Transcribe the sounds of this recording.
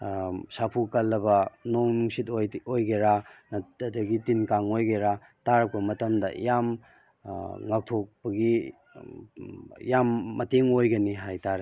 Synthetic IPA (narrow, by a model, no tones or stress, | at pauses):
sapʰukɐlːɐbɐnoŋnuŋsitjojɡeɾanɐdɐɡitinkaŋojɡeɾa | taɾɐk̚pɐmɐtɐmdɐ̰jam | ŋak̚tʰok̚bɐɡi | jamːɐteŋojɡɐniɦajtaɾe